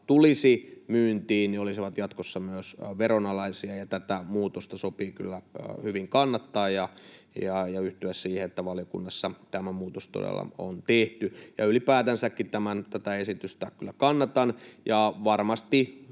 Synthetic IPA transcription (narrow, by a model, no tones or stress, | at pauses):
t̪ulisimyːnt̪iːnniolisiʋɑt̪jɑt̪kosːɑmyøsʋeronɑlɑisiɑjɑt̪æt̪æmuːt̪ost̪ɑsopiːky̰lːæhyʋiŋkɑnːɑt̪ːɑːjjɑ | jɑjɑyht̪yæssiːheet̪ːæʋɑlijokṵnːɑsːɑt̪æmæmuːt̪ost̪o̰dḛlːɑ̰o̰nt̪eht̪yjɑylipæːt̪ænsækːit̪æmænt̪æt̪æesit̪yst̪ækylːækɑnːɑt̪ɑnjɑʋɑrmɑst̪i